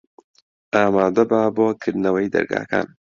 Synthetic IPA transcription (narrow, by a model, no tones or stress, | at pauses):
ʔaːmaːd̪ɐbaboːkʰɨɾd̪nɐwɐjd̪ɐ̰ɾɡa̰ːkʰa̰ːn